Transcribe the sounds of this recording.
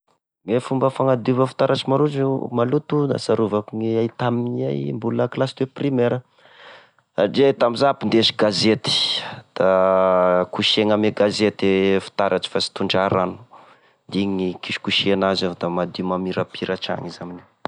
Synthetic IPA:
ŋefumbəfaŋad̪uvəfi̥t̪aɾaʈ͡ʂimaɾuzumalut̪una̰saɾuvakiŋiajt̪aminia̰jmbuləklasd̪eprimeɾə | aɖ͡ʐeat̪amizaapind̪eʃiɡazet̪i̥d̪̥a | kuʃeŋameɡazet̪efi̥t̪aɾʔaʈ͡ʂi̥fasi̥t̪uɳɖ͡ʐaɾanu̥ | d̪iɲiikiʃkuʃienazad̪amad̪umamiɾapiɾaʈ͡ʂa̰ŋizamini̥

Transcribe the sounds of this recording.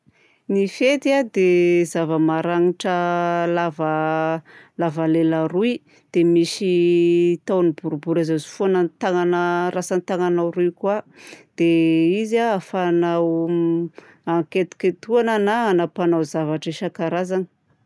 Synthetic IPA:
nifet̪iad̪ezavəmaɾaŋiʈ͡ʂəlavə | lavaleləɾui | d̪̥emiʃi | t̪awnibuɾubuɾazazi̥fuanənt̪aŋanərasanit̪aŋanawɾuijkwad̪̥eizaafanaw | aŋket̪u̥kʲet̪uanənaanapanawzavaʈ͡ʂeʃakaɾazanə̥

